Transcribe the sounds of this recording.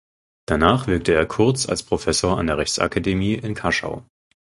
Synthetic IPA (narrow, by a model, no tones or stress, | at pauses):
d̥anaːχv̥ɪɐk̚təeːɐkʰʊɐt͡sa̰lspʁ̥ofɛsoːɐa̰ndeːɐɛçt͡sʔa̰kʰademiːʔɪnkʰaʃa̰ʊ